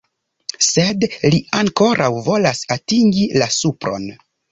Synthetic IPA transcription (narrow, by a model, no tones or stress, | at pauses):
se̞dliaŋko̞ɾʔawvo̞lasatiŋɡilasupɾo̞̰n